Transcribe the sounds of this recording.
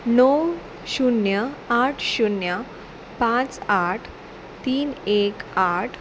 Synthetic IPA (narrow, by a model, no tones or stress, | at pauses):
nəw | ɕunjəaʈʰɕunjə | pãt͡saʈʰ | t̪iːnekaʈʰ